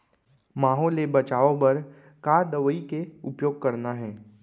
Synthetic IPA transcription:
maːɦɔːlebɐt͡ʃaːõpɐɾ | kaːɾd̪ɐʋəikeʊpjoːɡ̚kɐɾnaɦɛː

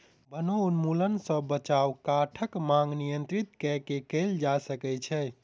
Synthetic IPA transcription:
bənounmulənsə̃bət͡ʃawkaʈʰəkmãŋɡnijənt̪ɾit̪kɛkekəld͡ʒasəkɛt͡ʃʰɛ

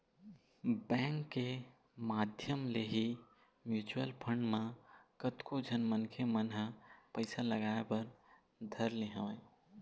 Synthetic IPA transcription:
bɛ̃ŋkːe | mad̪ʱjəmleɦi | mjut͡ʃuəlpʰəɳɖmakət̪kod͡ʒʱənmənkʰemənɦəpəɪsaləɡaepəɾ | d̪ʱəɾleɦə

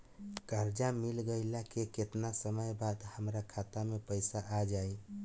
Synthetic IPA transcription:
kəɾd͡ʒamilɡəɪlakeket̪nasəməjbad̪həmɾakʰat̪amepəɪsaʔad͡ʒaj

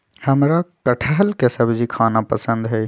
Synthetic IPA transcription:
hɐmɾakəʈʰəɦəlkesɐbd͡ʒikʰaːnapəsə̃nd̪ɦɛː

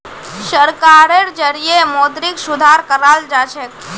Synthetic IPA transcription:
ʃəɾkaɾeɾd͡ʒəɾijemod̪ɾiksʊd̪ʱaɾkəɾald͡ʒat͡ʃʰek

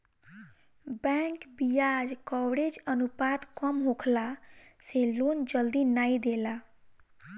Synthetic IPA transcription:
bɛŋkbijad͡ʒkɔwɽed͡ʒənupad̪kəmɦokʰlaselond͡ʒəld̪inaid̪ela

